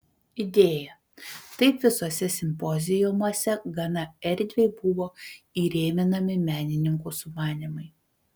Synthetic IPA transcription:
ɪd̪ʲeːjɛ | t̪ɐɪpʋʲɪsosʲɛsʲɪmʲpɔzʲɪjʊmuɔsʲɛɡɐnɐɛɾʲd̪ʲʋʲeɪbʊʋoːiːɾʲeːmʲɪnɐmʲɪmʲæːnʲɪnʲɪŋkuːsʊmɑːnʲɪmɐɪ

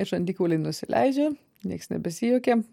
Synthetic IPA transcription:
ɪʒɐnd̪ʲiːkʲuːlʲɛɪnʊsʲɪlʲʔɛ̰ɪd͡ʒʲɛ | nʲiɛksnʲɛ̰bʲɛsʲijukʲe

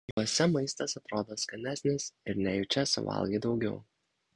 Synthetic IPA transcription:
joːsʲɛmɐɪst̪ɐsɐt̪ɾoːd̪oːskɐnʲæːsʲnʲɪsɪɾnʲɛjʊt͡ʃʲɛsʊ̰ʋɐ̰lˠɡʲɐɪd̪ɒʊɡʲɛʊ

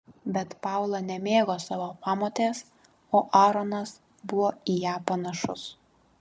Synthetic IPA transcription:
bʲɛt̪pɑˑʊlˠɐnʲɛmʲeːɡoːsɑːʋoːpɑːmoːt̪ʲeːs | oːʔɑːɾɔnɐs | bʊʋoːijæːpɐnɐʃʊs

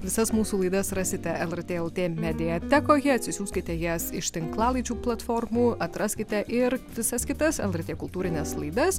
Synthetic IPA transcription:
ʋʲɪsɐsmuːsuːlˠɐɪd̪ɐsɾɑːsʲɪt̪ʲɛɛlˠɛrt̪ʲeːɛlˠt̪ʲeːmʲɛd̪ʲɪjɛt̪ʲæːkoːjʲɪɐt̪ʲsʲɪsʲuːsʲkʲɪt̪ʲɛjɛsɪʃt̪ʲɪŋklˠɑːlˠɐɪt͡ʃʲuːplˠɐt̪foːrmuːɐt̪ɾɐːsʲkʲɪt̪ʲɛʔɪɾʋʲɪsɐskʲɪt̪ɐsɛ̰lˠɛrt̪ʲeːkʊlˠt̪uːɾʲɪnʲɛslˠɐɪd̪ɐs

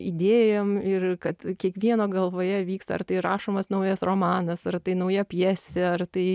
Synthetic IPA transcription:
ḭːd̪ʲeːjoːmɪrkɐt̪kʲiɛkʋʲiɛnoːɡɐlˠʋoːjɛʋʲiːkst̪ɐ̰ɐ̰rt̪ɐɪɾɑːʃoːmɐsnɐʊjɐsroːmɑːnɐsɐrt̪ɐɪnɐʊjɛpʲjɛsʲɛɐrt̪ɐɪ

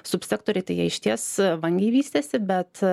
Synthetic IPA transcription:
sʊpʲsʲæːkt̪oːɾʲɛɪt̪ɐɪjiɛɪʃʲt̪ʲiɛsʋɐŋʲɡʲɛɪʋʲiːsʲt̪ʲɛsʲɪbʲɛt̪

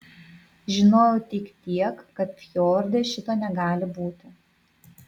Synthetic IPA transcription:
ʒʲɪnoːjʊːt̪ʲɪkt̪ʲiɛkːɐt̪fʲjoːɾʲd̪ʲeːʃʲɪt̪oːnʲɛɡɑːlʲɪbuːt̪ʲɪ

